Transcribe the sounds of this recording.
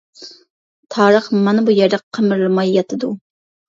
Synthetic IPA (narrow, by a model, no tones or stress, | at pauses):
t̪ʰɑːɾəχmɑnɨbujɛɾd̪ɛqʰːəmɪɾlˠɨmɑjːɑt̪ʰɨd̪u